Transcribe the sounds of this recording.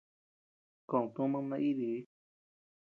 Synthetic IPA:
ka˧˨ũ˨t̪ũ˦mã˦˧nã˧ʔi˦ði˨˦

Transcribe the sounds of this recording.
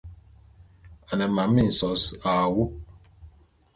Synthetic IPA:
a˨nɛ˨ma˨mː˦i˦˨n̩˨sɔ˨˦sa˨wu˦

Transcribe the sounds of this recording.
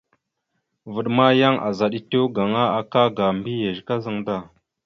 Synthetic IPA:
və˨ɗma˦ja˦ŋʔa̰˨za˨ɗi˦te˦wɡa˨ŋa˦a˨ka˦ɡa˨mbi˦je˨ʒka˦zə˨ŋda˦˨

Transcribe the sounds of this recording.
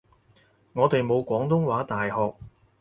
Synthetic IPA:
ŋɔː˨˧t̪e˨jmo˨˧wkʷɔː˨˥ŋt̪ʊ˥ŋwaː˨˥t̪aː˨jhɔː˨k̚

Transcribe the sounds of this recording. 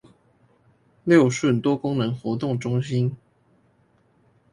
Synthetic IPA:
ljo˥˨ʊʂwə˥˨nt̪wɔ˦˥kʊ˥ŋnə˧˦ŋxwɔ˧˥t̪ʊ˥˨ŋʈ͡ʂʊ˥ŋɕi˦n

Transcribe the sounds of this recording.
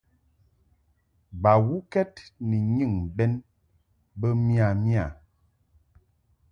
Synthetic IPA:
ba˨wu˦kɛ˦tni˨ɲɨ˦˨ŋbɛ˦n | bə˦mi˦a˨mja˦˨

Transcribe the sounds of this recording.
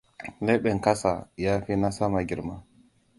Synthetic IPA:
le˦ɓe˨ŋ˨ka˦sa̰˨ja˦fi˦na˦sa˦ma˨ɡʲi˨ɾma˦

